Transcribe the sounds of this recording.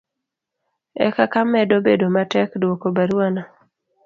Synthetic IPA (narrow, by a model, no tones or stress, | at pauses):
ɛ̰kakamːɛdobedomatɛkdwokobaɾwana